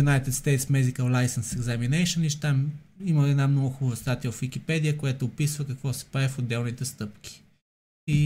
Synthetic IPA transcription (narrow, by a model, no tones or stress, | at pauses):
unajt̪ɛt̪st̪ɛjt̪smɛd̪ikəlˠlajsənsɛɡzaminɛjʃəniʃt̪am | iməɛd̪namnɔɡʊxubɐvəst̪at̪ijəvfvik̟ipɛd̪ijəkʊjat̪ʊːpisvəkɐkvɔsɛ̥paɛfod̪ːɛlˠnit̪ɛst̪ɤpkʲi̥ | i